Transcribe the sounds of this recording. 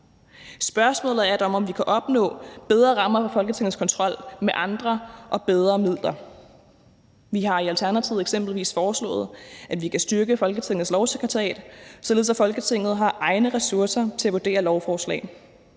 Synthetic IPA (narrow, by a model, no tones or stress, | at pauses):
sb̥ɶɐsmɔ̰̽ːlð̩ˠæɐd̥eɒ̽mɒ̽mʋikʰæʔɒ̽b̥nɔ̰̽ːb̥eð̞ˠʁɐʁɑ̈mɐfɑ̈fɒ̽lɡ̥ət͡sʰe̝ŋð̩ˠskʰɒ̽nt͡sʰʁɒ̽l̰meʔɑ̈nd̥ʁɐʔɒ̽b̥eð̞ˠʁɐmið̞̰ˠlɐ | ʋiɦɑ̈iælt͡sʰæɐnæt͡sʰiʊ̰ð̩ˠeɡ̥sem̰b̥l̩ʋḭːsfɒːslɔ̰̽ːð̞̩ˠʔæ̥ʋikʰæsd̥yɐɡ̥əfɒ̽lɡ̥ət͡sʰe̝ŋ̰ð̩ˠslɒʊsekʰʁɐt͡sʰʁɛ̰ːd̥sɒ̽le̝ð̩ˠsæfɒ̽lɡ̥ət͡sʰe̝ŋ̰ð̩ˠɦɑ̈ʔɑ̈ɪnəʁɛsuɐsɐt͡sʰe̝æʋuɐd̥e̝̰ːɐlɒʊfɒːslɛ̰ː